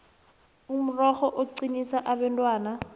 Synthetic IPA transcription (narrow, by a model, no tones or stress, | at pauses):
um̩rɔχɔʔoǀinisaʔabɛntʼwaːna